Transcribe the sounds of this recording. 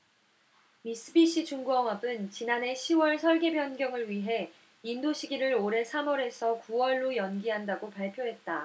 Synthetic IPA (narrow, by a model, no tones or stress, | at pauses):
mis͈ɯbiɕ͈ʰit͡ɕuŋɡuʌŋɦʌbɯnt͡ɕinane̞ɕʰiwʌɭsʰʌɭɡe̞bjʌnɡjʌŋɯɭɥiɦe̞ | indoɕʰiɡiɾɯɾoɾe̞sʰamʌɾe̞sʰʌkuwʌɭːojʌnɡiɦandaɡopaɭpʰjoɦe̞t̚t͈a